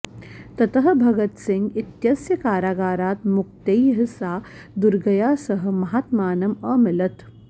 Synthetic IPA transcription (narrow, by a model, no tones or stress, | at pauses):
t̪ɐt̪ɐɦɐ̆bʱɐɡɐt̪sɪŋɡit̪jɐsjɐkaːɾaːɡaːɾaːt̪muk̚t̪ejɦɐsaː | d̪uɾɡɐjaːsɐɦɐ̆mɐɦaːt̪maːnɐmɐmɪlɐt̪